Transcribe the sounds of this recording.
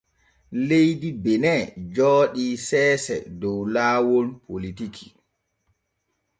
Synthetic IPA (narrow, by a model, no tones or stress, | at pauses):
lejdibɛnɛd͡ʒɔːɗisɛːsɛ̰dɔwlaːwonpʰolitikʰi̥